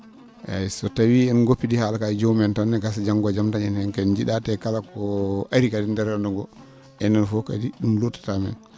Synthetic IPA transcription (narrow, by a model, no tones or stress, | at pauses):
ʔa̰sɔtawiɛnɡopːidihalakad͡ʒomɛntanːɛɡas̬ad͡ʒaŋɡɔd͡ʒamtaɲɛnɛŋkɛnd͡ʒiɗatɛkalakɔʔaɾikadindɛɾɛndɔŋɡɔ | ɛnːanfɔka̰diɗumlotːḁtamɛ̰n